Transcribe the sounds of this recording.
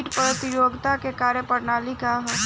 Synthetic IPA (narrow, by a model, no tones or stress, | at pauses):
ʈpɾət̪ɪjoːɡt̪akekaːɾjəpəɾnaːlikaɦ